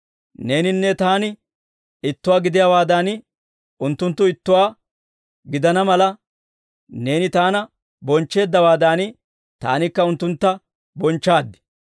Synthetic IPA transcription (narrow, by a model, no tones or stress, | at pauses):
ne̞ːnɪnːɛt̪aːnɪ | ɪt̪ːʊwaːɡɪd̪ɪjawaːd̪aːn | ʊnt̪ːʊnt̪ːʊɪt̪ːʊwaː | ɡɪd̪ɐnɐmɐlɐ | ne̞ːnɪt̪aːnɐ | bɔnt͡ʃːe̞ːd̪ːɐwaːd̪aːnɪ | t̪a̰ːnɪkːɐʊnt̪ːʊnt̪ːɐ | bɔnt͡ʃːaːd̪ːɪ̥